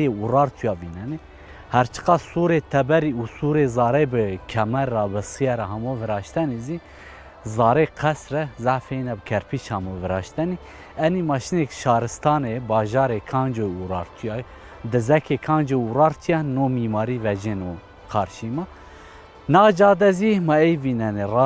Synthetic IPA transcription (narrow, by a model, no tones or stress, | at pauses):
eurɑːɾt̪ʰujɑːviːnɛne | hæɾt͡ʃʰɨ̥qɑsuːɾet̪ʰɛbɛɾiusuɾezɑːɾɛjbɨkʰɛmɛɾːɑːbɨsɨjɛɾɛɦɑmovəɾɑːʃt̪ɛnizi | zɑːɾeqʰɛsrɛzaʕfenɛbkʰɛɾpʰiʃhɑmovəɾɑːʃt̪ɛni | ɛnimɑːʃinekʃɑːɾɨst̪ɑːnebɑːʒɑːɾekʰɑːnd͡ʒourɑɾt̪ʰijɑ | d̪ɨzɛkʰekʰɑːnd͡ʒeurɑːɾt̪ʰjɛnomiːmɑːɾiːvɛd͡ʒeno | kʰɑːɾʃimɑ | nɑːd͡ʒɑːd̪ɛzimɑejviːnɛnerɑ